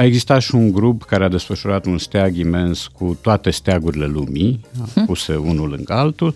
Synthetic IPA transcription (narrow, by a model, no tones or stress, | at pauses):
ae̞ɡzist̪at̪ʃiuŋɡɾupkaɾead̪e̞sfəʃuɾat̪unst̪eaɡime̞nskut̪oat̪e̞st̪eaɡuɾile̞lumiapuseunulɨ̰ŋɡəalt̪ul